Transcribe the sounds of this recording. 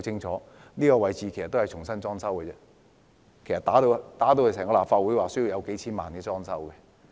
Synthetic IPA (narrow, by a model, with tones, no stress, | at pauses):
t͡sɪ˥ŋt͡ʃʰɔː˨˦˥ | niː˥kɔː˧wɐ˨˧jt͡siː˨kʰe˨˩sɐ˨t̪ːo˥hɐ˨jt͡ʃʰʊ˨˩ŋsɐ˥nt͡sɔː˥ŋsɐ˥wkɛ˧t͡sɛ˧˥ | kʰjsɐ˨˩t̪aː˨˥t̪o˧wt̪aː˨˥t̪o˧whɐ˨˧sɛː˨˩ŋkɔ˧laː˨˩pfaː˧t̚wu˨˥jwaː˨˩sɵ˥ji˧wjɐ˨˧wke˨˥jt͡sʰiː˥nmaː˨nkɛː˧t͡sɔː˥ŋsɐ˥wkɛ˧